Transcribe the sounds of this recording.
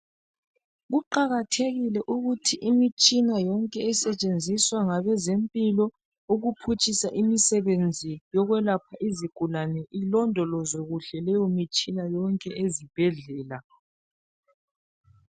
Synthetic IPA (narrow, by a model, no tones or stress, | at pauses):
ɣuǃaɣatʰeɣilɛʔuɣutʰiʔimit͡ʃʼinajɔŋkʼɛːsɛt͡ʃʼend͡zʱiswaŋaβɛzempʼilɔ | uɣupʰut͡ʃʼisaʔimisɛβend͡zʱijɔɣwɛlapʰaʔiziɡ̥ʱulanɛʔilɔndʱɔlɔzoɣuɬɛlɛjɔmit͡ʃʼinajɔŋkʼɛʔezib̥ʱɛɮɛːla